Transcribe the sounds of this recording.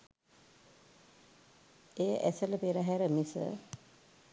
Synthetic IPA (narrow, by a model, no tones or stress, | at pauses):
ejəʔɛsələpeɾəɦɛɾəmisə̰